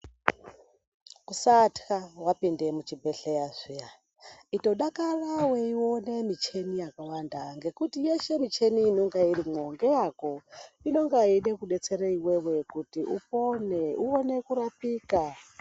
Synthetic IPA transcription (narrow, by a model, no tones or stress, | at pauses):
kusatkawapindemut͡ʃibeɬejazʷija | ito̞ɗakaraweiwonemit͡ʃe̞nijakawandaŋɡe̞kutijeʃe̞mit͡ʃeniːnoŋɡaiɾimoŋɡejako̞ino̞ŋɡaiɗekuɗet͡seɾaiwewe̞kutiʔuponeuonekuɾapiːka